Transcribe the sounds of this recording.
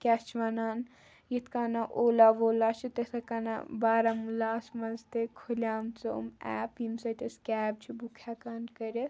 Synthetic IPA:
kʲast͡ʃʋanaːn | jit̪ʰkanaʔoːlaʋoːlat͡ʃʰit̪esɐkana̰baːɾamulaːsmɐnzt̪ekʰolʲaːmt͡sɐ̰mɛ̰ːpimsɐt̪eskʲɛːb̚t͡ʃʰibukʰakankɐɾʲes

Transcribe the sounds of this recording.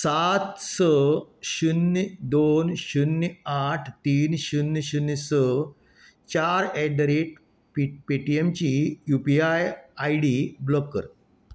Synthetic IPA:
sat̪səɕunːd̪onɕunːaʈʰt̪iːnɕunːɕunːsə | t͡ɕaɾɛɖɾeʈ | ppeʈiemt͡ɕijupiajajɽiblɔkːə̰ɾ

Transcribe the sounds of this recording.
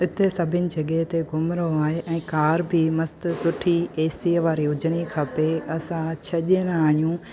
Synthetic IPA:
ɪt̪esɐbʱɪnɪ̆d͡ʑɐɠɛɦt̪eɡʊmɾoaːɦeʔɛ̃ːkaːɾbʱimɐst̪sʊʈʰieːsiːʋaːɾiɦʊd͡ʑɪɽ̃ikʰɐpeɐsãt͡ɕʰɐʄñaːɦijũ

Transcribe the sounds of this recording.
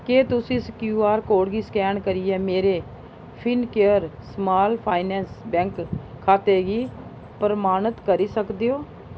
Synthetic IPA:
keːt̪ʊsĩːskjuːaːɾkoːɽɡiːskɛːɳkəɾiːɛːmeːɾeː | pʰɪnkeːəɾsmaːlpʰaːinɛːnsbɛ̃ːŋkkʰːaːt̪eːɡiː | pəɾmaːnət̪kəɾiːsəkd̪eːoː

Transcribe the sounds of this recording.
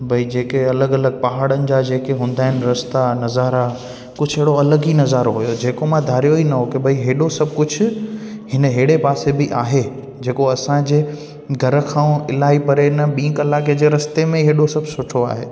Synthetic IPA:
bʱɐid͡ʑeːkeɐləɡɐləɡ̚pɐɦaːɽənɪ̆d͡ʑaːd͡ʑeːkeɦũːn̆d̪aːɦɪnɪɾɐst̪anɐzaːɾa | kʊd͡ʑʱʊɦeːɽoɐləɡinɐzaːɾoɦʊjod͡ʑeːkomãd̪ʱaːɾijoinɐɦokɪbʱɐiɦeːɗosɐb̚ʱkʊd͡ʑʱʊ̆hɪnəɦeːɽepaːsebɪʔaːɦe | d͡ʑeːkoɐsãd͡ʑeː | ɡʱɐɾə̆kʰãːũɪlaːipɐɾenɐɓĩːkɐlaːked͡ʑeːɾɐst̪emẽɦeːɗosɐbʱsʊʈʰoa̰ːɦḛː

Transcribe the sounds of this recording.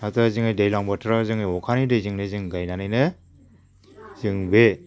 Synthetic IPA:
atɯazɯŋɯjdejlaŋbɔtʰɯɾazɯŋɯjɔkʰanidɯzɯŋnɯzɯŋɡajnanɯjnɯ | zɯŋbe

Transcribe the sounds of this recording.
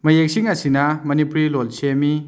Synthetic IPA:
mɐjek̚siŋɐsinɐmɐnipuɾilolsemi

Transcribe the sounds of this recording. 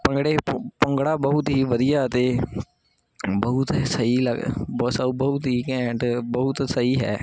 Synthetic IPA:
pə̃ŋɡɽeːpəŋɡɽaːbəɦʊt̪ɦiːʋəd̪ijaːt̪eː | bəʊt̪səiːləɡbsəubəʊt̪ɦiːkɛ̃ːɳʈbəʊt̪səiːɦɛ̰ː

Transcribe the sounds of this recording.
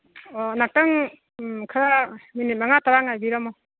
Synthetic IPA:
ɔnak̚taŋ | kʰaɾaminit̚maŋataɾaŋajbiɾamɔ

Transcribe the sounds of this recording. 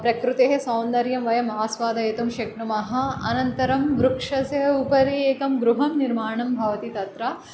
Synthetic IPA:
pɾɐkɾut̪eɦesɐwnd̪ɐɾjɐmʋɐjɐmɐaaːsʋaːd̪ɐjet̪umʃɐkɳumɐɦɐ̆ɐ̰nɐnt̪ɐɾɐmʋɾukʂɐsjɐupɐɾieːkɐmɡɾuɦɐmniɾmaːɳɐmbʱɐʋɐt̪it̪ɐt̪ɾɐ

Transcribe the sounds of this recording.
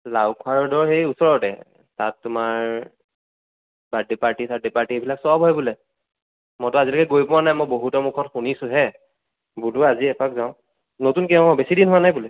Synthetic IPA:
lawkʰwaɹɔdɔɹxejusɔɹɔtɛ̰ | tatːʊmaɹ | badipaɹtisadipaɹtiebʱilaksabʱɔjbulɛ | mɔtʊazilɔkɛɡojpʊwanajmojboɦutɔmukʰɔtxunisʊ̃ɦɛ | buduaziɛpakzaʊ̃ | notunkɛʊ̃besidinɦʊanajbulɛ

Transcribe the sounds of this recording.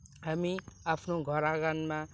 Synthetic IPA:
ɦamiapʰnoɡʱʌɾaɡanma

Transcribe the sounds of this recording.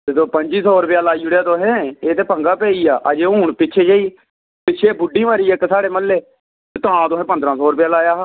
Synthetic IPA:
ed̪oːpəɲd͡ʒiːsɔːɾpjaːlaːiːʊɽjaːt̪oːɦɛ̃ːeːt̪eːpəŋɡaːpɛːiːaːʔəd͡ʒeːɦuːɳpɪt͡ʃʰeːd͡ʒaːiː | pɪt͡ʃʰeːbʊɖːiːmaːɾiːekːsaːɽeːməlːeː | et̪oãːt̪oːɦɛ̃ːpənd̪ɾãːsɔːɾpjaːlaːjaːaː

